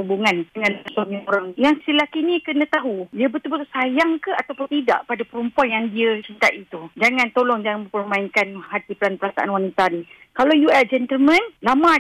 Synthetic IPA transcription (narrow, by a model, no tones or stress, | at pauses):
ubuŋanəŋansomĩuɾaŋjaŋsilahkinikənãt̪aɦudiəbət̪ulbət̪usajaŋkəat̪awpʊnt̪ida̰ʔpadapəɾumpuanjaŋdiət͡ʃint̪aʔit̪ud͡ʒaŋãnt̪olɔŋd͡ʒaŋanməpərmaiŋkanhat̪ipəlanpəɾasa̰ʔa̰nwanit̪ani | kalawjuɛsd͡ʒɛnt̪əlmə̃nlamã